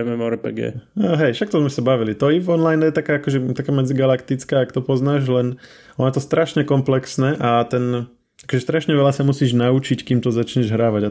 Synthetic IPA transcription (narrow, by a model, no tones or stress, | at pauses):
ɛmɛmɔɾpɛ̰ɡɛ̰ːaɦɛjʃak̚t̪ɔzmɛsabaʋilit̪ɔivɔnlajnjɛt̪akaːakɔʒɛt̪akaːmɛd͡ziɡalakt̪it͡skaːkt̪ɔpɔznaːʒlɛn | ʔɔnat̪ɔst̪ɾʔaʃɲɛkɔmplɛksnɛːʔat̪ɛn | akɔʒɛst̪ɾaʃɲɛʋɛlasamusiːʒnaut͡ʃickiːmt̪ɔzat͡ʃɲɛʒɦɾaːʋaɟa